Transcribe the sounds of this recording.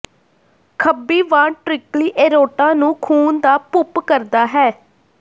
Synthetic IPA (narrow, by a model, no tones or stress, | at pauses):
kʰəbːiːʋãːɳʈɾɪkliːʔeːɾoːʈãːnũːkʰuːnd̪aːpʊpkəɾd̪aːɦɛː